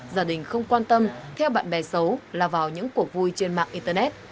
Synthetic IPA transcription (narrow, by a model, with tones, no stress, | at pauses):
zaː˧˩ɗï˨˩ŋ̟xə˧wŋ͡mkwaː˧nt̪ə˧mt̪ʰɛ˧wɓa̰ː˧˨nɓɛ˨˩sə˨˦wlaː˨˩vaː˨˩wɲɨ̰˧˥ŋku˨˩ək̚vu˧jt͡ɕe˧nma̰ː˧˨ŋʔi˧nt̪ə˧nɛ˦˥t̚